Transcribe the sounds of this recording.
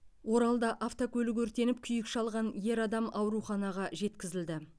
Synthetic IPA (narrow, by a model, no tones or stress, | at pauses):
wo̞ɾɑlˠd̪ɑʔaft̪okʲʰɵlɪɡɵɾt̪e̞nɪp̚kʲʰʏjɪkʃɑlˠʁɑnje̞ɾɑd̪ɑmɑwɾuχɑnɑʁɑʒe̞t̪kʲɪzɪld̪ɪ